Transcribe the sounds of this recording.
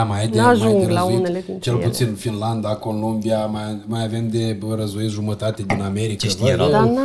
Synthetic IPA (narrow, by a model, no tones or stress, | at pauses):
majajdneaʒujŋd̪elaoineleit͡ʃelput̪sinfinland̪akolombiamamajave̞md̪e̞ɾəzoit̪ʒumət̪at̪e̞d̪iname̞ɾikvəd̪a